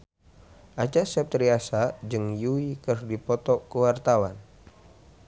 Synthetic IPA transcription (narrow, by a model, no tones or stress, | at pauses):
ʔat͡ʃasɛp̚t̪ɾiasad͡ʒɨŋjuikɨrdipɔt̪ɔkəwart̪awan